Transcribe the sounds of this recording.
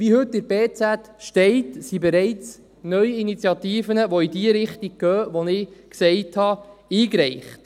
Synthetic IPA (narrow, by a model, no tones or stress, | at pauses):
vihɵtːɪɾbeːt͡sætʃtɛɪtsibɛɾɛɪt͡s | nœɥinit͡sjɑtiːfənəʋoidiəɾɪχtiɡ̚ɡ̥œːʋonɪksɛɪthɑiːkɾɛɪχt